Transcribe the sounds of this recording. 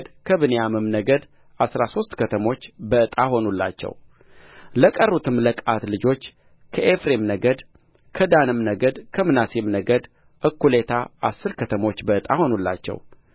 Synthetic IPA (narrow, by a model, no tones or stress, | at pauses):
d̪kʰəβɨnejamɨmnəɡəd̪ | ʔasɾaso̞st̪kʰət̪ʰəmo̞t͡ʃːbəɨt̪ʼaho̞nulːa̰t͡ʃːɛ̰w | ləkʼərːut̪ʰɨmləkʼat̪lɨd͡ʒo̞t͡ʃː | kʰəʔefɾemnəɡəd̪ | kʰəd̪anɨmnəɡəd̪kʰəmɨnasemnəɡəd̪ | ʔɨkːule̞t̪ʰaʔa̰sːɨɾkʰət̪ʰəmo̞t͡ʃːbəɨt̪ʼaho̞nulːa̰t͡ʃːɛ̰w